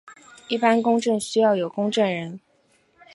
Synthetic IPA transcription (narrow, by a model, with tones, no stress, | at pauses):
i˥˩pa˥nkʊ˥ŋʈ͡ʂə˥˩ŋɕy˥jɑ˥˩ʊjo˨˩ʊkʊ˥ŋʈ͡ʂə˥˩nɻə˧˥n